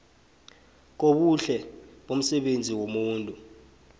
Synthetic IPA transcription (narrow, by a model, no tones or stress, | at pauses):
k̬oɓuɬɛɓom̩sɛɓend͡zʱiwomuːntʼu